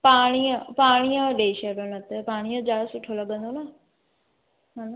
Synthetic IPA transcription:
paːɽ̃iə̃paːɽ̃iõɗeːʃɐɾonɐt̪epaːɽ̃ijõd͡ʒaːsʊʈʰːolɐɠə̃nd̪onaː | maːno

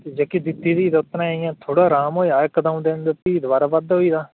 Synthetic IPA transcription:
ed͡ʒeːkiːd̪ɪt̪ːiːd̪iːd̪ʊt̪ɾãːɪjãːt̪ʰoːɽaːɾaːmɦoːiːaːjkəd̪əmd̪end̪ət̪iːd̪ʋaːɾaːʋəd̪ɦoːiːd̪aː

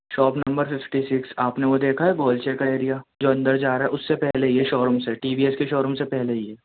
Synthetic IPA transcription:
ʃɔːpnɐ̃mbəɾfɪfʈisɪksaːpneʋod̪eːkʰaɦɛɡoːlt͡ʃeːkaeːɾijad͡ʒoːɐ̃nd̪əɾd͡ʒaːɾaːɦɛʊsːepɛɦleɦiɦɛʃɔːɾʊmseʈiːbiɛskeʃɔːɾʊmsepɛɦleɦiɦɛː

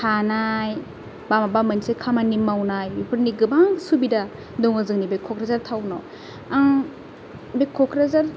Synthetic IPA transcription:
tʰanaj | bamabamɯnsekʰamanimawnajipʰɯɾniɡɯbaŋsubida | dɔŋazɯŋnibekʰːɔkʰɾazaɾtʰawnɔ | aŋ | bekʰːɔkɾazaɾ

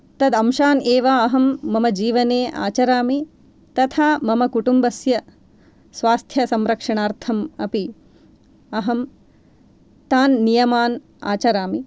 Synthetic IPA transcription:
t̪ɐd̪ɐmʃaːneːʋaɐɦɐmːɐmɐd͡ʒiːʋɐneːʔa̰ːt͡ʃɐɾaːmi | t̪ɐt̪ʰaːmɐmɐkuʈumbɐsjɐ | sʋaːst̪ʰjɐsɐmɾɐkʂɐɳaːɾt̪ʰɐmɐ̰pi | ɐɦɐm | t̪aːnːijɐmaːn | a̰ːt͡ʃɐɾaːmi

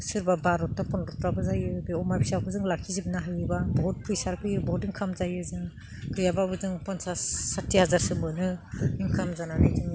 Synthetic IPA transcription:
sɯɾbabaɾɔtːapɔnɾɔtɾabɯzajɯbeɔmabʰisakʰɯzɯŋlakʰizibnaɦajɯbabɔɦɔt̚pʰujsaɾkʰɯjɯbɔɦɔtiŋkʰamzajɯzɯŋ | kɯjababɯzɯŋpɔnsasːatʰːihazaɾsɯmbɯnɯiŋkʰamzananajzɯŋ

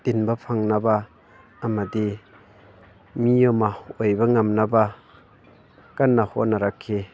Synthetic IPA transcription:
tinbapʰaŋnabaː | madi | mijɔmaɔjbaŋamnaba | kanːahɔnaɾakʰːe

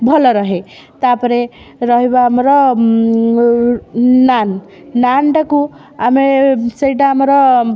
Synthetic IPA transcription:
bʱɔlɔɾʌɦe | t̪apʌɾe | ɾʌɦibaːmɾʌ | nan | nanʈaku | amesʌjʈaːmɾɔ

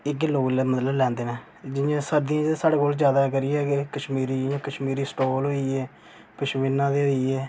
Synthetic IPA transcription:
ɪkloːɡlmət̪ləblɛ̃ːnd̪eːnɛ̃ː | d͡ʒɪjãːsəd̪ɪjãːd͡ʒsaːɽeːkoːlzjaːd̪aːkəɾiɛːkəʃmiːɾiːãːkəʃmiːɾiːsʈoːlɦoːiːɛː | pəʃʋɪnãːd̪eːiːɛː

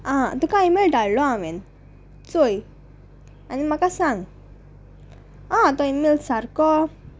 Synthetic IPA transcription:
ãt̪ukaimelɖʱaɽlɔãʋen | t͡soj | animakasãŋɡ | ɦãt̪ɔimelsaɾkɔ

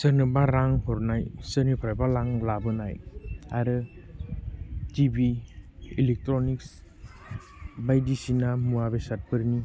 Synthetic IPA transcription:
sənɯbaɾaŋhɔɾnajsənipʰajbalaŋlabɯnajaɾɯ | tibiilek̚tɾɔniks | bajdisinamuabesat̚pɯɾni

